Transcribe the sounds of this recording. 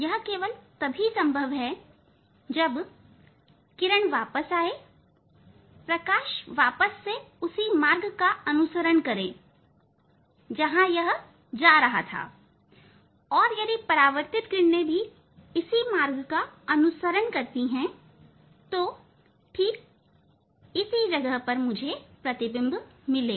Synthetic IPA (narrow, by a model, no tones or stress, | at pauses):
jɐɦkeːʋəlt̪ɐbʱisɐ̃mbʱəʋɦɛ | d͡ʒɐb | kɪɾəɽ̃ʋaːpəsaːe | pɾɐkaːʃʋaːpəsːeʊsimaːɾɡkaɐnʊsəɾəɽ̃kɐɾẽː | d͡ʒɐɦãjɐɦ | d͡ʒaːɾɐɦa̰t̪ʰa̰ː | ɔːɾjɐd̪ipɐɾaːʋəɾt̪ɪt̪̚kɪɳnebʱi | ɪsimaːɾɡkaɐnʊsəɾənkɐɾt̪iɦɛ̃ | t̪o | ʈʰiːk̚ | ɪsid͡ʒɐɡəɦpɐɾmʊd͡ʒʱepɾɐt̪ɪbɪ̃mbmɪleː